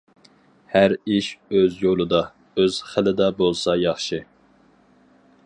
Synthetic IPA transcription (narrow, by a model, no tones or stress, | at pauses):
hæɾiʃøzjolˠɨd̪ɑ | øz̥χəlɪd̪ɛbolˠsɑjɑχʃɪ